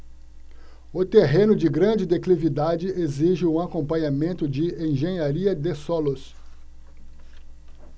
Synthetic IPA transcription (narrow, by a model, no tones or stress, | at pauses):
ʊt̪eɦẽnʊd͡ʒɪɡɾɐ̃d͡ʒɪd̪eklivid̪ad͡ʒɪʔeziʒɪũakõmpɐ̃ɲamẽnt̪ʊd͡ʒɪẽj̃ʒẽɲaɾiɐd̪esɔlʊs